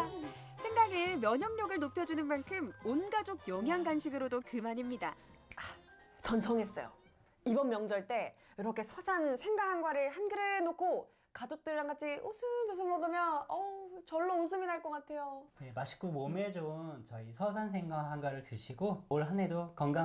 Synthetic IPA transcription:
sʰe̞ŋɡaɡɯmjʌɲʌmɲʌɡɯɭnopʰjʌd͡ʑunɯnmankʰɯmonɡad͡ʑoɡ̚jʌŋɦjaŋɡanɕʰiɡɯɾodokɯmaɲimɲidaa | t͡ɕʌnt͡ɕʰʌŋe̞s͈ʌ̰jo̰ | ibʌnmjʌŋd͡ʑʌɭt͈e̞ | jiɾʌkʰe̞sʰʌsʰansʰe̞ŋɡaŋɦanɡwaɾɯɭhanɡɯɾɯnokʰo | kad͡ʑok̚t͈ɯɭːanɡat͡ɕʰiʔusʰɯd͡ʑos̬ʰɯmʌɡɯmjʌnʌt͡ɕʌɭːous̬ʰɯminaɭk͈ʌk͈atʰe̞jojemaɕʰi̥komomed͡ʑomt͡ɕʌisʰʌsʰans̬ʰe̞ŋɡaɦanɡwaɾɯɭtɯɕʰiɡooɭɦane̞dokʌŋɡa

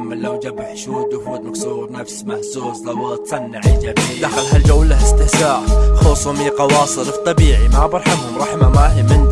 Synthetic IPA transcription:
mːɪlawd͡ʒabaħʃuːd̪ʊhd̪maksˤuːɾnafsmaħsuːsˤlawt̪sˤɑnːaʕɪd͡ʒabild̪axalɦald͡ʒawːlːahast̪ɪhsaːʔxosˤʊmiqɑwɑːsˤɨlft̪ˤːɑbiːʕimabɑɾˤħamhʊmɾˤɑħmamahɪmɪn

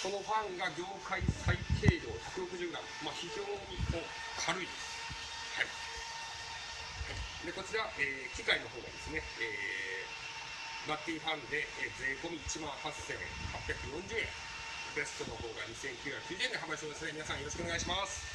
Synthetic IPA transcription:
ko̞no̞ɸãŋɡaɡʲo̞ːkaisaik̪ʰe̞ːɾo̞ːçakɯ̟ɾo̞kɯ̟ʑɨːɾã̰ŋmaçiʑo̞ːɲimo | kʰaɾɯ̟id̪ | hai | hai | d̪e̞ko̞t͡ɕiɾaʔeːkʲikaino̞ɦoːɡa̰d̪e̞sɨne̞eː | bat̪ʲːĩːɸãnd̪e̞ed͡zeːko̞mʲiːt͡ɕimãɰ̃hasẽ̞̰ | hapʲjakɯ̟jõ̞ɲ̟d͡ʑɨːẽ̞̰ | be̞st̪o̞no̞ho̞ːɡaɲisẽ̞ŋkʲɨːjakkʲɨːd̪ieneɦambaist̪emesneminasãjo̞ɾo̞ɕ̬koneɡaiɕimasɨ̥

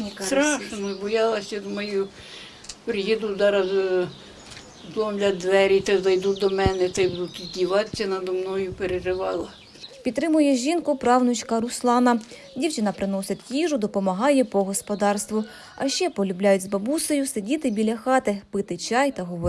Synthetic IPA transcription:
st̪ɾɑʃnɔzbɔjɑlˠɐsʲɐd̪mɛju | pɾɪjid̪uzɑɾɐz | zlˠɔmlʲɐd̪ʋɛɾʲit̪ɛzɐjd̪ud̪ɔmɛnɛt̪ɐjbud̪ut̪dʲiʋɑt̪sʲɐnɐd̪ɔmnɔjʊpeɾeʒɪʋɑlˠɐ | pʲit̪t̪ːɾɪmʊjɛʒʲinkʊpɾɑwnʊt͡ʃkɐɾʊslˠɑnɐ | dʲiwt͡ʃɪnɐpɾɪnɔsɪt̪ʲkʲiʒʊd̪ɔpɔmɐɦɑjɛpɔɦɔspɔd̪ɑrst̪ʋʊ | ɐʃt͡ʃɛpɔlʲʊblʲajʊtʲzbɐbusɔjʊsedʲit̪ɪbʲilʲɐxɑt̪ɪpɪt̪ɪt͡ʃɑjt̪ɐɦɔʋɔ

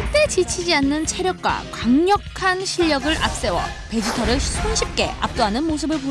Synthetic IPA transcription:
ɭt͈e̞t͡ɕit͡ɕʰid͡ʑianːɯnt͡ɕʰeɾjʌk̚k͈wa̰kaŋɲʌkkʰanɕʰiʎːʌɡɯɭʔa̰p̚s͈e̞wʌ̰ | pe̞d͡ʑitʰʌɾɯɭsʰuŋɕʰip̚k͈e̞ʔa̰p̚t͈oɦanɯnmos̬ʰɯbɯɭpu

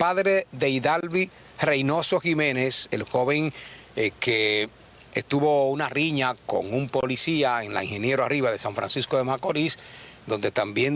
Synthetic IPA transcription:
paðɾe̞ðeiðalβi | re̞jno̞so̞ximẽ̞ne̞se̞̰lxo̞βe̞ŋ | ke | est̪uβo̞unariɲako̞̰ŋumpo̞lisiaeŋla̰iŋhe̞nje̞ɾoariβaðe̞saɱfɾa̰nsiskoðe̞mako̞ɾisd̪o̞nd̪e̞t̪ambje̞n

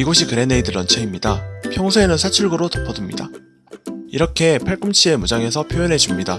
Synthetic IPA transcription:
iɡoɕʰikɯɾe̞ne̞idɯɾʌnt͡ɕʰeimɲidapʰjʌŋsʰuenɯnsʰat͡ɕʰuɭɡɯɾotɯpʰʌdumɲida̰ | iɾʌkʰe̞pʰaɭk͈ɯmt͡ɕʰie̞mud͡ʑaŋe̞sʰʌpʰjojʌnɦe̞d͡ʑumɲida

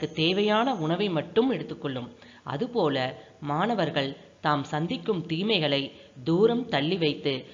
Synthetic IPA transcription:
ɐkːɯt̪eːʋɐjaːnɐʊɳɐʋɐɪmɐʈːɯmɛɽɯt̪ːɯkːɔɭːɯm | ʔɐ̰ðɯpoːlɐ | maːnɐʋɐɾɣɐɭ | t̪aːmsɐnd̪ɪkːɯmt̪iːmɐɪɣɐɭɐɪd̪uːɾɐmt̪ɐɭːiʋɐɪt̪ːɯ

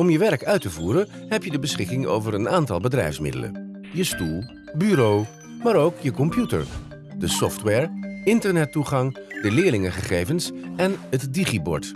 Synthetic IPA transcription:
ɔmjəʋɛrɹkœɥtəvuːɾənɦɛpjədəbəsχɪkɪŋo̰wvəɹənaːntɑ̰lˠbədrɛ̰jfsmɪ̰də̰lə̰n | jəstulˠ | byɾow | maːɾowkjəkɔmpjutə̰ɹ | dəsɔftwɛːɹɪntəɹnɛtuχɑŋdəlɪːɹlɪŋəχəχejvənsɛnɦətdiχibɔ̰ɹt

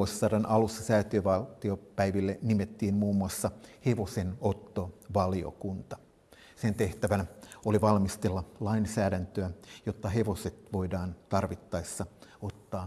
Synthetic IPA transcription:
oisːɑːdɑnʔɑlusːɑsæːt̪yøʋɑlt̪iopæiʋilːenimet̪ːiːmmuːmːuɑsːɑheʋo̞senot̪ːoʋɑlio̰kunt̪ɑ̥ | sent̪e̞ht̪æʋænæoliʋɑlmist̪elːɑlɑinsæːdænt̪øæjot̪ːɑɦe̞ʋo̞set̪ʋoidɑːnt̪ɑrʋit̪ːɑisːɑot̪ːɑː

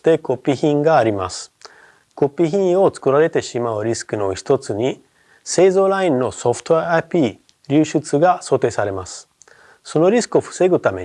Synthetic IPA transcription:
t̪e̞ko̞pʲːiçĩŋɡaːɾʲimasɨ̥ | ko̞pʲːiçĩɰo̞t͡sɨ̥kɯ̟ɾaɾe̞t̪e̞ɕimaɯ̟ɾʲisɨ̥kɯno̞çi̥t̪o̞t͡sɨɲ̟i | se̞ːzo̞ːɾaĩnːo̞so̞ɸɯ̥t̪oaapʲiː | ɾʲɨːɕɨt͡sɨɡaso̞ːt̪e̞ːsaɾe̞masɨ̥ | so̞no̞ɾʲisɨ̥kɯ̟o̞ɸɯ̥se̞ɡɯ̟t̪ame̞̰

